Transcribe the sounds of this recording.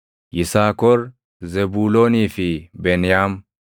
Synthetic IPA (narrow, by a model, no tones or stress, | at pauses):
jɪsaːkɔɾ | zɛbuːloːniːfɪbɛnɪjaːm